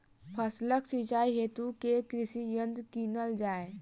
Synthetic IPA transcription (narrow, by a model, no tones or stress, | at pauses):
pʰəsləksit͡ʃaːiɦeːt̪ukekɾɪʃijə̃nd̪kiːnəld͡ʒaːe